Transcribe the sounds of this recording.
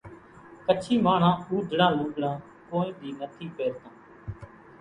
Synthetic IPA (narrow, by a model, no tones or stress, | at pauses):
kət͡ʃʰiːmaːɳãːuːd̪ʱɽãːlʊːd̪ɽãː | koːĩːd̪iːnət̪ʰiːpeːɾt̪ãː